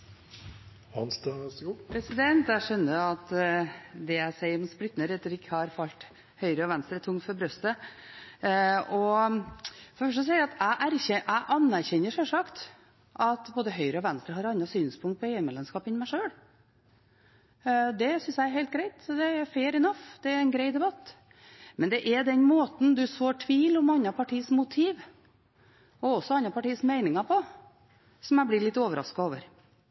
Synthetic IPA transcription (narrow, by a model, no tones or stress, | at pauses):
hɑnst̪st̪ːpʰɾɛsɪd̪ɛnt̪æʂœnːəɾɑt̪ | d̪ɛæɪsæɪəɾmsplʏt̪nəɾɛt̪ːəɾɪkːəhɑɾfɑlt̪ | hœʏɾəɔʋɛnst̪ɾət̪ʰʊŋt̪fɔɾbɾœst̪ə | ɔ | fɔɾfœʂ̬əs̬ɛɪæɑt̪æʔæɾçɛʔæɪʔɑnːæɾçɛnːəʂɛlʂɑkt̪ | ʔɑt̪boːd̪əɦœʏɾəɔʋɛnst̪ɾəɦɑɾɑnːɑsyːnspʰʊŋt̪̚pɔeːʉmɛlɛnskɑːpɪnmæɪʂøːɽ | d̪ɛsʏnsjæɪɛɾɦeɪlt̪̚ɡɾæɪt̪d̪ɛæɾfeːɾɪnɑfd̪ɛæɾɛnɡɾeɪd̪ɛbɑt̪ː | mɛnd̪ɛʔɛɾd̪ɛnmoːt̪n̩d̪ʉsoːʈʰʋiːlɔmɑnːɑpʰɑʈʰiːsmʊt̪ʰiːʋ | ɔɔsːɔɑnːɑpɑʈiːsmeɪnɪŋɑpʰɔ | sɔmæɪblɪɭɪt̪ːoːʋəɾɑ̰skɑoːʋə̰ɾ